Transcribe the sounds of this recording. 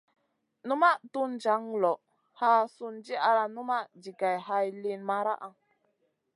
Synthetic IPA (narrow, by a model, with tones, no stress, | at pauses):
nu˦ma˦ʔtu˦nd͡ʒa˨˦ŋlɔ˨ʔ | ha˦su˦nd͡ʒi˦a˨ɾa˨nu˦ma˦ʔd͡ʒi˨ɡa˨jha˦jli˦nma˦ɾa̰˦ʔa˦